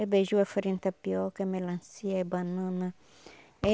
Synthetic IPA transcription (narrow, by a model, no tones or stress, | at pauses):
ɛbeʒuɛfəɾĩnt̪apiɔkɛmẽlãnsiaɛbanãnã | ɛ